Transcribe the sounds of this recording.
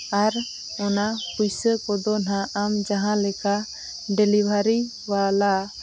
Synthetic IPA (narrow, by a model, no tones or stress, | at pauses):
aɾ | ɔnapujsəkɔd̪ɔnãʔːmd͡ʒaɦãlɛka | ɖɛlibʱaɾi | wala